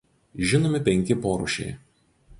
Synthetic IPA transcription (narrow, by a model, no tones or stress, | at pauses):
ʒʲɪnoːmʲɪpʲɛŋʲkʲɪpoːɾṵˑʃʲɛ̰ɪ